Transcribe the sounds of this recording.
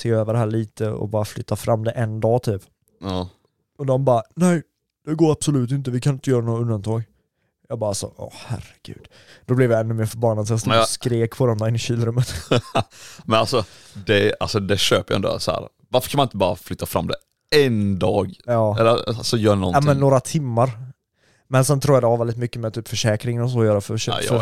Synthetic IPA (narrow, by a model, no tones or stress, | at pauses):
seːøːvəɖɛɦæːɭiːt̪əɔ̰bɑːɾaflʏt̪ʰːafɾamːd̪ɛʔɛnd̪ɑːt̪ʰyːp | ɑ | ɔd̪ɔmbɑːɾanɛj | d̪̥ɛɡoːɾab̥sɔlʉ̟ːt̪ɪnt̪̬əvɪkʰanɪnt̪əjœːɾanuːaɵnd̪ant̪ʰɑːɡ | jɑɡbɑːɾalsɔ̰ʔɑ̰ːhæ̰ɾəɡ̥ʉ̰ːd̪ | d̪ɔblɛvjaɛnːɵmeːɾfœɾbanːad̪sɔjast̪uskɾeːkpʰɔd̪ɛmd̪ɾɪnːɪɕiːlɾɵmːət̪ | mɛnalsɔ | d̪ɛa̰lsɔd̪ɛɕøːpəja̰ɛ̰nd̪o̰sɔhæ̰ːɾ | vaɾfə̥ɾkʰanmanɪnt̪əbɑːɾa̰flʏt̪ːafɾa̰md̪ɛ̰ | ɛnd̪ɑːɡjɑːɛ̰lːəa̰sɔjœːɾnɔ̰nmɪɛnːoːɾat̪ʰɪmːaɾ | mɛnsɛnt̪ʰɾuːjad̪ɛhavɛld̪ɪt̪mʏkːəmɛt̪ʰyːpfœʂɛːkɾɪŋənɔs̬oːjœːɾafœʃøː